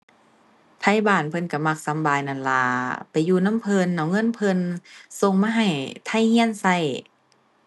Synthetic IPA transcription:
t̪ʰa˧˥˨jbaː˧˩npʰɤ˧˨nka˧˩ma˧˩k̚sa˨˧˦mbaː˧jna˧˩nla̰ː˧˩pa˨˩jːuː˧na˧˥˨mpʰɤ˧˨nːa˧˩wŋɤ˧˥˨npʰɤ˧˨nso˧ŋmaː˧ɦa˨˩jt̪ʰa˧˥˨jhi˧˥ə˨nsa˧˩˨j

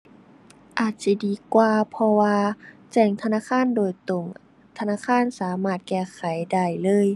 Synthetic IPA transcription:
ʔaː˨˩t̪̚si˧˩diː˧˩kwaː˧pʰɔ˧waː˧t͡ɕɛː˧˩ŋt̪ʰa˧naː˧˥˨kʰaː˧˥˨ndoː˨˩jt̪o˧˩ŋ | t̪ʰa˧naː˧˥˨kʰaː˧˥˨nsaː˨˦maː˧˩t̪̚kɛː˧˩kʰa˨˦jda˧˩jlɤː˧˥˨j

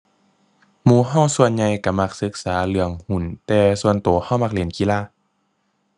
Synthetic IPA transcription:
muː˧˩ɦa˥˩˨wsu˧ənɲa˧jka˧˩ma˧˩k̚sɯ˧˦k̚saː˩˦lɯ˧˦əŋhu˧˩˦nt̪ɛː˧su˧ənt̪uː˨˩˦ha˧˥˩wma˧˥k̚li˨˩˦nki˧˦laː˧˥˨

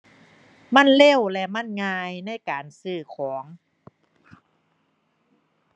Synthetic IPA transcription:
ma˥˨nle˥˩˨wlɛ˧ma˥˨nŋaː˧jna˥˩jkaː˨˩nsɯː˧˩kʰɔː˩˦ŋ

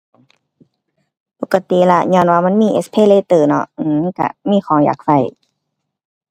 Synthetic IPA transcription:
po˨˩kːa˧t̪i˨la˧ɲɔː˧˩˨nwaː˧ma˧˥˨miː˧˥˨ʔḛ˧˥spʰeː˧˥˨leː˧˨t̪ɤː˧˩nɔ̰˧ʔʔɯː˧a˧˥˨ka̰˧˩miː˧˥˨xʰɔː˨˩˦ŋja̰ː˨˩k̚fa˧˩j

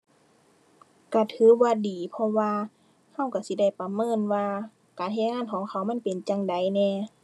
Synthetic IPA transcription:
ka˧˩t̪ʰɯː˨˦waː˧˨diː˨pʰɔ˧waː˧ | ha˧˥˨wka˧˩si˧˦da˥˩jpa˨mɤː˧˥˨nwaː˧ | kaː˨nha˧˨ŋaː˧˥˨nkʰɔː˨˦ŋkʰa˧˩wma˧˥˨pe˨nt͡ɕa˧˨ŋda˨˦jnɛː˧˩

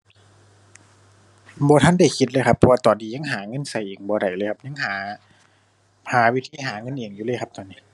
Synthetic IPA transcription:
bɔː˨˧˦t̪ʰa˧˥˨nda˧˩jkʰi˧˦t̪̚lɤː˧˥jkʰa˧pʰːɔː˧wa˧t̪ɔː˨˩ndiː˧˦ɲa˧˥˨ŋɦaː˨˩˦ŋɤ˧˥˨nsa˧˩jʔeː˨˩ŋbɔː˨˧˦ɾa˨˩jlɤː˧˩jkʰa˧˥p̚ɲa˧˥˨ŋhaː˨˦ | haː˨˦wi˦˧˥t̪ʰiː˧˥˨ɦaː˨˦ŋɤ˧˥˨nʔeː˨˩ŋjuː˧˦lːjkʰa˧p̚t̪ɔː˨˩nːiː˧˨

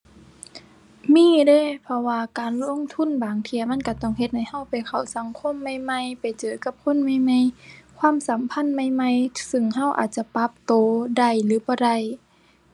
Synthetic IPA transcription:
miː˧˥˨deː˧˨pʰɔ˧waː˧kaː˨nlo˧˥˨ŋt̪ʰu˧˥˨nbaː˨˩ŋt̪ʰi˧˨ɐma˧˥˨nka˧˩t̪ɔ˧˩ŋhe˧t̪̚ha˧˩jha˧˥˨wpa˨˩jkʰa˨˩wsa˨˦ŋkʰo˧˥˨mːa˧˩jma˧˨jpa˨jt͡ɕɤː˨˩ka˧˦p̚kʰo˧˥˨nma˧˥˨jma˧˥˨jkʰwaː˧˥˨msa˨˦mpʰa˧˥˨nma˧˥˨jma˧˥˨jsɯ˧ŋɦa˧˥˨wʔa̰ː˨˩t̪̚t͡ɕa˧˦pa˧˦p̚t̪oː˨˩˦da˧˩jlɯː˨˦bɔː˧˦da˧˩˨j

